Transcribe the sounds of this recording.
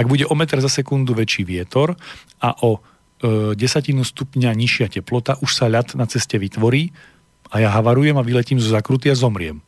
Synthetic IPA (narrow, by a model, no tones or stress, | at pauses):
aɡ̚buɟɛʔɔmɛt̪ɾzasɛkund̪uʋɛt͡ʃiːʋɪɛt̪ɔɾ | aʔɔ | ɟɛsacinust̪upɲaɲiʃɪacɛplɔt̪aʔuʃsaʎat̪nat͡sɛscɛʋit̪ʋɔɾiː | ajaɦaʋaɾujɛmaʋilɛciːmzɔzakɾut̪̬iazɔmɾɪɛ̰m